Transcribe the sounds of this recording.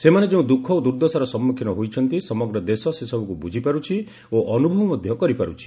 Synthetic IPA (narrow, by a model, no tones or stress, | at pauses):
semaned͡ʒeũd̪ukʰːɔod̪uɾd̪ɔsaɾɔsɔmːukʰinɔɦojt͡ʃʰɔnt̪isɔmɔɡɾɔd̪esɔsesɔbʱɔkubud͡ʒʱipaɾut͡ʃʰi | oʔɔnubʱɔwɔmɔd̪ʱjɔkɔɾipaɾut͡ʃʰi̥